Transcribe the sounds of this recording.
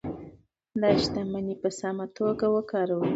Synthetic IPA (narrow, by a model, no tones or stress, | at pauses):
d̪ɑʃt̪amanipəsamat̪oɡawəkɑɾaw